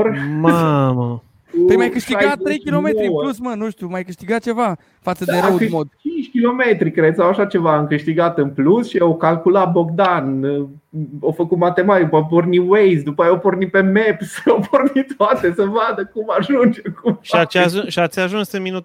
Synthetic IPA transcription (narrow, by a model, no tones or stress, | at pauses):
rmamə | ejjmajkɨʃt̪iajat̪t̪ːɾejkilomeɾiwlusmənũʃt̪jumajkɨʃt̪iɡat̪̚t͡ʃe̞va | fat̪səd̪eɾait͡ʃint͡ʃʲkʲilo̞me̞t̪ɾikɾed̪sawaʃat͡ʃe̞vaamkɨʃt̪iɡat̪ɨnplusʃiawkalkulat̪̚bo̞k̚d̪an | ofəkut̪mat̪emat̪ipoporniwejsd̪upəajeopornipe̞mepsopʰornit̪oat̪esəvad̪əkumaʒund͡ʒekuʃat͡ʃʒuʃiat̪sʲaʒũnsɨminut̪